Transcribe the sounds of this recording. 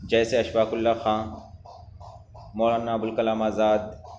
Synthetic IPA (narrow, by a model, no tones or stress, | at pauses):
d͡ʒɛːseɐʃʋaːkʊlːaxãː | moːlaːnaːbʊlkɐlaːmaːzaːd̪